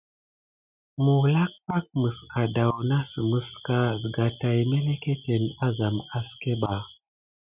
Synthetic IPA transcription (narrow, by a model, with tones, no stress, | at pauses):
mu˨wla˦k̚pa˦k̚mɨ˨ska˨da˨wna˦sɨ˨mɨ˦ska˦zɨ˨ɡa˨ta˨jme˦le˦ke˦te˨na˦za˨ma˦ske˦ɓa˨